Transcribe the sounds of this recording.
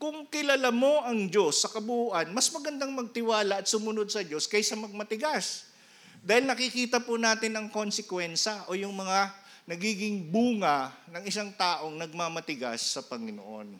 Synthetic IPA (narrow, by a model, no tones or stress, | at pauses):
kʊŋkɪlɐlamo̞ʔɐŋd͡ʒo̞sːɐkɐbuuʔɐnmɐsmɐɡɐnd̪aŋmɐɡ̚t̪ɪwaːlɐʔɐt̪̚sʊmʊnod̪̚sɐd͡ʒo̞skɐjsɐmɐɡ̚mɐt̪ɪɡas | d̪aːhɪlnɐkɪkiːt̪ɐpʊnaːt̪ɪnɐŋko̞nsɛkwɛnʃɐʔo̞jʊŋmɐŋa | nɐɡiːɡɪŋbuːŋɐnɐŋɪsaŋt̪aːʔo̞ŋnɐɡ̚mamɐt̪ɪɡa̰sːɐpɐŋɪno̰ʔo̞̰n